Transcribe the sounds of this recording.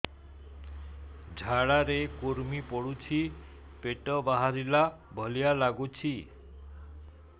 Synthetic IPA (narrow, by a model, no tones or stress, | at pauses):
d͡ʒʱaɭaɾekuɾmipɔɽut͡ʃʰi | peʈɔbaɦaɾila | bʱɔlijalaɡut͡ʃʰi